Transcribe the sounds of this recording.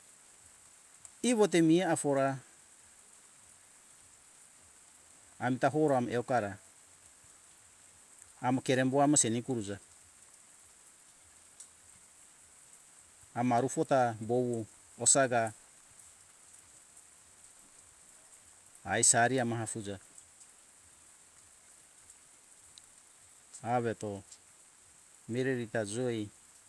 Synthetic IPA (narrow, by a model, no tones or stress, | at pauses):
iβot̬emiaafoɾa | mitaɦoɾoamʔeokaɾa | makeɾemboamasenikuɾud͡ʒa | maɾufotabowu | osaɡa | jsaɾiamaɦafud͡ʒa | aβeto | miɾeɾitad͡ʒoj